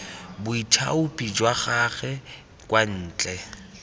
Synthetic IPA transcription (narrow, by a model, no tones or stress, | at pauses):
bʊitʰa̰ʊpʼid͡ʒwaχaɣɛ | kwan̩ːt͡ɬʼɛ